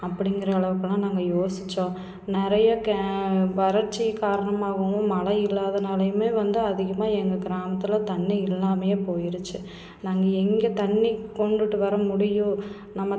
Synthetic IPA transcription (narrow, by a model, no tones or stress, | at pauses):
ɐpːɐɽɪŋɡɪɾɐːɭɐʋɯkːɐɭãːnaːŋɡɐjoːsɪ̥t͡ʃːõː | nɪɾɐjɐkɐʋɐɾɐɾt͡ʃːikaːɾɐɳɐmaːɣɐʋʊ̃mɐlɐɪɪlːaːðɐnɐlɐjɯmeːʋɐnd̪ɯɐðɪɣɐmaːɛŋɡɐɡɪɾaːmɐt̪ːɪlɐt̪ɐɳːiɪlːaːmɐjeːpoːjɪɾɯt͡ʃːɯ | naːŋɡɐɛŋɡɐt̪ɐɳːikɔɳɖɯʈːɯʋɐɾɐmʊɽɪjʊ̃ | nɐmːɐ